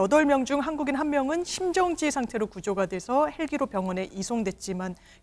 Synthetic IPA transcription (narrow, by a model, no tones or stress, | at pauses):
ʌdʌɭmjʌŋd͡ʑuŋɦanɡuɡinɦammjʌŋɯnɕʰimd͡ʑʌŋd͡ʑiesʰaŋtʰe̞ɾokud͡ʑoɡadwe̞sʰʌhe̞ɭɡiɾopjʌŋʌne̞ʔisʰoŋdwe̞t̚t͡ɕ͈iman